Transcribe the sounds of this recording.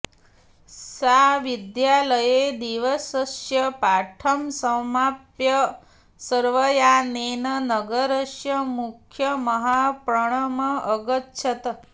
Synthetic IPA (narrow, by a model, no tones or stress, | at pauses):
saʋid̪jaləjed̪iʋəsəsjəpaʈʰəmsəmapjə | səɾʋəjanenənəɡəɾəʃjəmukʰjəməɦapɾəɳ̃əmɐʔəɡətːʃʰɐt̪